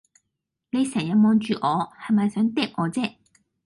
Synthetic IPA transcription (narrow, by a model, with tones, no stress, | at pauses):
ne˨˧jsɛː˨˩ŋjɐ˨˧mɔː˨˧nt͡ʃyː˨˧ʔɔː˨˧hɐ˨jmɐ˨jsœː˨˥ŋt̪ɛː˥p̚ʔɔː˨˧t͡sɛː˥